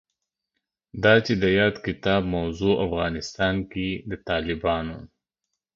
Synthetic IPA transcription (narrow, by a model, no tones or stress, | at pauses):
d̪ɑt͡ʃed̪əjɑːd̪kɪt̪ɑːb̚mawzuafɣɑːnɪst̪ɑːnkid̪ət̪ɑːlɪbɑno